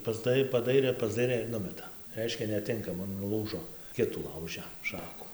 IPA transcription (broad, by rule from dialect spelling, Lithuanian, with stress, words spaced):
pɐzˈdɐɪ pɐˈdɐɪrʲeː pɐzˈdɐɪrʲeː ɪr ˈnʊmʲɛtɐ ˈrʲɛɪʃʲkʲɛ nʲɛˈtʲɪŋkɐmɐ nʊˈlˠuːʒoː ˈkʲɪtuː ˈlˠɐʊʒʲɛ ˈʃɑːkʊ